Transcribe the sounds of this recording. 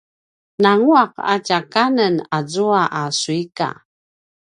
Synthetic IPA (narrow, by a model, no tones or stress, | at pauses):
naŋuaqa̰cakanənazuaʔasuika̰